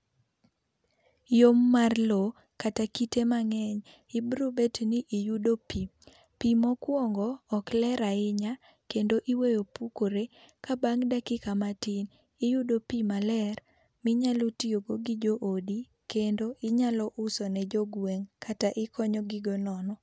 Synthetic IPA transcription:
jomːarlo | katakitemaŋɛɲ | ɪbɾubɛtniʔːjudopi | pimɔkwɔŋɡɔːklɛɾaɪɲa | kendoʔiwejopukoɾe | kabaŋdakɪkamatin | ijudopimalɛr | mɪɲalotioɡoɡid͡ʒoʔodi | kendoʔɪɲalɔʔʊsɔnɛd͡ʒoɡweŋkʰataʔɪkʰɔɲɔɡɪɡɔnɔnɔ

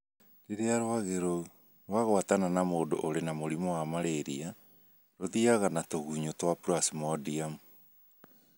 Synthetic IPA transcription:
ɾeɾeaɾowaɣeɾo | ɾwaɣwatananamoːdo̰ʔoɾenamoɾimɔwamaɾeɾḭa | ɾoðiaɣanatoɣuːɲotwapuɾasimɔdiamu

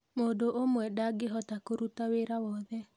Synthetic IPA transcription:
modoʔomwɛdaɡɪɦɔtakoɾutaweɾawɔðɛ

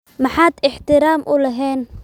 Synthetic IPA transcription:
mɑħaːd̪ɪħt̪ɪɾaːmʔʊlɐɦɛːn

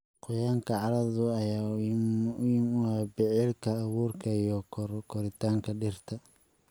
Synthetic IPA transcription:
qʊjaːŋkʰɐʕɑɾɐðʊɐjaː | ʊjɪmʊabɪʕɪlkʰɐːɣuːrkʰɐijɔkʰɔɾɪt̪ʰaːŋkʰɐɖɪrt̪ʰɐ

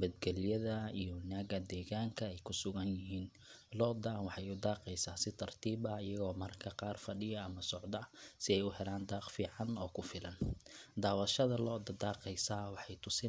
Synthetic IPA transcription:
bɐd̪ɡɛlɪjɐðɐijɔwɑnaːɣɐd̪ɛːɣaːŋkʰɐɛjkʰʊsʊɣɐnjɪɦiːn | lɔːd̪anwɑħɑjʊd̪aːqɛjsaːsɪt̪ʰɐrt̪ʰiːbɐɪjɐɣɔːmɐrkʰɐqɑːrfɐɖɪjɐɐmɐsɔʕd̪ɐɐsɪɛjʊɦɛlaːnd̪aːqfiːʕɑnɔːkʰʊfɪlɐnd̪aːwɐʃɐðɐlɔːd̪ɐd̪aːqɛjsaːwɑħɑjt̪ʰʊsɪ

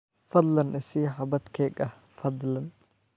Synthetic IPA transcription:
fɐd̪lɐnʔɪsiːħɐbɐd̪kʰɛːɡɐh | fɐd̪lɐn

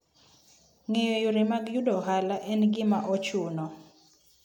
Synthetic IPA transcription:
ŋejojʊɾemaɡjudɔɦalaʔɛnɡɪmaʔɔt͡ʃunɔ

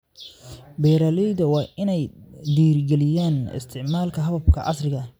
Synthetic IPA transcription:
bɛːɾaːlɛjðɐwɑːʔɪnɛjd̪iːrɡɛlɪjaːnɪ̰st̪ʰɪʕmaːlkʰɐɦɐβɐb̚kʰɐʔɑ̰srɪɣɐ

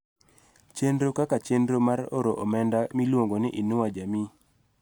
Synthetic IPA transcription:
t͡ʃendɾokakat͡ʃendɾomaɾo̰ɾoʔɔmɛndamilwoŋɡonɪʔinuwad͡ʒami

